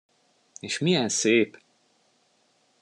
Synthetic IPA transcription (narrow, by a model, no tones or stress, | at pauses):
eːʃmijɛnseːp